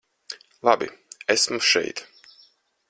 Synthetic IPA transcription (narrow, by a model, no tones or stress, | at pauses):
lˠabḭæsmʃɛ̰jt̪